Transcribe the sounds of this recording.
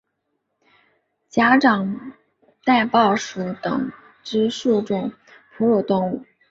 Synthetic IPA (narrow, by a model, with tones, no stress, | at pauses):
t͡ɕja˥ʈ͡ʂɑ˨˩ŋ | t̪a˥˧ɪpɑ˥˩ʊʂu˧˥t̪ɤ̰˨˩ŋ | ʈ͡ʂɻ̩˥ʂu˥˧ʈ͡ʂʊ˥˩ŋ | pʰu˧˥lu˨˩t̪ʊ˥˧ŋu˥˩